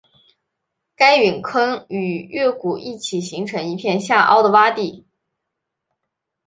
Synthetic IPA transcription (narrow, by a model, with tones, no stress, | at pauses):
ka˥ɪɥy˨˩nkʰə˥ŋy˨˩ɥɛ˥˩ku˨˩i˥˩t͡ɕʰi˨˩ɕi˧˥ŋʈ͡ʂʰɤ˧˥ŋi˧˥pʰjɛ˥˧nɕja˥˧˩ʔɑ̰˥ʊd̪ə˨wa˥t̪i˥˩